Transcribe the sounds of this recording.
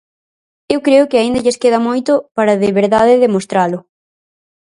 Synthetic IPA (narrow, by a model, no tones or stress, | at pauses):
ewkɾeʊkɪaind̪ɐʎeskeðɐmojt̪ʊpaɾɐðɪβeɾðaðɪðemost̪ɾalʊ